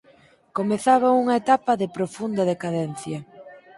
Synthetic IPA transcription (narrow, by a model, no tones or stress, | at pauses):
komeθaβauŋɐet̪apɐðɪpɾofund̪ɐðekaðɛnθjɐ